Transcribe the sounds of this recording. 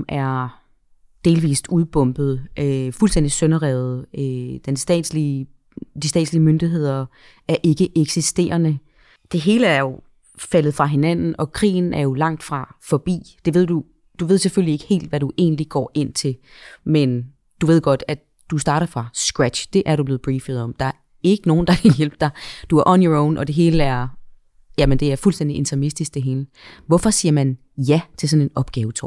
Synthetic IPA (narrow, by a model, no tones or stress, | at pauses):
mʔæɐ | d̥e̝ːlʋḭːsuðˠb̥ɔ̽m̰b̥ð̞̩ˠʔøfulsd̥en̰d̥isœnɐʁɛð̩ˠød̥ensd̥ɛ̰ːdsli | d̥isd̥ɛ̰ːd̥sliəmønd̥iɦe̝ð̞̰ˠɐ | ʔæɐʔe̝ɡ̥əʔeɡ̥sisd̥e̝̰ːɐnə | d̥e̝ɦe̝ːləæɐjo̝ | fælð̩ˠfʁɑ̈ɦe̝næn̰n̩ɒ̽kʰʁḭːn̩æɐjo̝lɑ̈ŋ̰d̥fʁɑ̈fɒ̽b̥ḭːd̥e̝ʋe̝ð̞̰ˠd̥u | d̥uʋe̝ð̞̰ˠseføllie̝ɡ̥ə̥he̝̰ːld̥ʋæɾuʔe̝̰ːnliɡ̥ɒ̰ːʔe̝n̰t͡sʰe̝l | men | d̥uʋe̝ð̞̰ˠɡ̥ɒ̽d̥æ | d̥usd̥ɑ̈ːɾɐfʁɑ̈sɡ̥ʁæd̥ɕd̥e̝ʔæɐɾuble̝ːð̩ˠb̥ʁiːfð̩ˠɒ̽md̥ɑ̈æɐ | e̝ɡ̥əno̝ːn̩d̥ɑ̈kʰæjel̰b̥̚d̥ɑ̈d̥uæɐʔɒ̽njɒɔʊ̰nʔɒ̽d̥e̝ɦe̝ːləæɐ | jæmend̥e̝æɐfulsd̥end̥iʔe̝nt͡sʰɐmisd̥isɡ̥̚d̥e̝ɦe̝ːlə | ʋɒfɒ̽siːɐmæn | jæt͡sʰe̝sɒ̽ne̝nɒ̽b̥ɡ̥ɛːʊət͡sʰɒ̰ː